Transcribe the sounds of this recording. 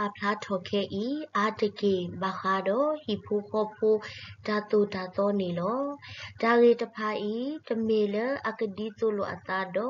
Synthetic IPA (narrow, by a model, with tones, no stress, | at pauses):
a˨pʰl̥a˦tʰɔ˨kʰɛ˦ʔi˦ʔa˨tə˨ke˨ba˨xa˧˦dɔ˦hi˨pʰo˦xɔ˦pʰo˦d̥a˨t̪o˨da˨t̪ɔ˦ne˨lɔ˦d̥a˨ɣe˨tə˨pʰa˧ʔi˦tə˨me˨lə˦ʔa˨kə˨di˦t͡so˧˦lo˨ʔa̰˨t̪a˦dɔ˨˦